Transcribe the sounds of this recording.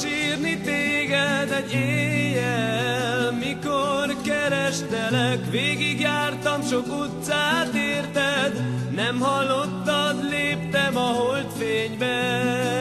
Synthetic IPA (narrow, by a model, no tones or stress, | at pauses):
ʃiːrnit̪eːɡɛd̪ɛɟeːjɛlmikorkɛɾɛʃt̪ɛlɛkʋeːɡiɡjaːrt̪ɒmʃo̞kut̪saːt̪eːrt̪ɛd̪nɛmhɒlːo̞t̪ːɒd̪leːp̚t̪ɛmɒɦolt̪feːɲbɛ